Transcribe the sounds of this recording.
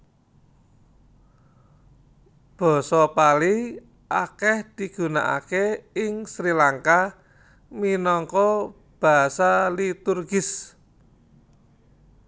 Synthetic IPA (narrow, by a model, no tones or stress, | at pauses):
b̥ɔ̤sɔpali | ʔakɛhd̪̥i̤ɡ̥ṳna̰ʔa̰keɪŋsɾilaŋka | minɔŋkɔ | b̥a̤salit̪urɡɪs